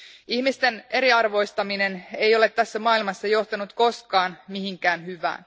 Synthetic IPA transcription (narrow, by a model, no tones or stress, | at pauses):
ihmist̪e̞ne̞ɾiɑrʋo̞jst̪ɑmine̞ne̞jo̞le̞t̪ːæsːæmɑːilmɑsːɑjo̞ht̪ɑnut̪ko̞skɑːnmiɦiŋkæːnhyʋæ̰ːn